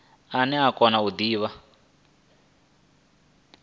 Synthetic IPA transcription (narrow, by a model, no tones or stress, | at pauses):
anɛakɔnaud̪iːβa